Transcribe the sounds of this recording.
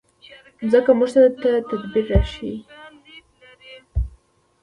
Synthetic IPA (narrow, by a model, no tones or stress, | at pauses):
zəkamuʒt̪aɾat̪at̪ad̪biɾːaʃi